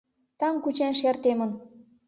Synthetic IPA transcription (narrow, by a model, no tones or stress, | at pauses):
t̪ɑŋkut͡ɕenʃert̪emə̆n